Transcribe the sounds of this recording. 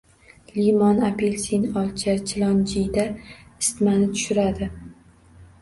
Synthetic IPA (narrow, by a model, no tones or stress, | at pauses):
limɒnapʰelsinɒlˠt͡ʃʰat͡ʃʰɪlˠɒnd͡ʒijd̪aɪst̪manɪt̪ʰʊ̥ʃʊɾad̪ɪ